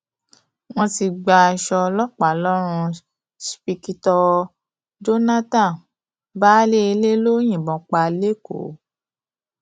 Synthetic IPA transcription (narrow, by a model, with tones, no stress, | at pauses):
w̃ɔ̃˧ti˧ɡ͡ba˧ʃɔ˧lɔ˦k͡pa˨lɔ˦ɾ̃ũ˧ | spi˧ki˧tɔ˧ | d͡ʒo˦nã˦tã˦˨ | baː˦le˦e˧le˦lo˦j̃ĩ˨bɔ̃˨k͡pa˧le˦ko̰˨˦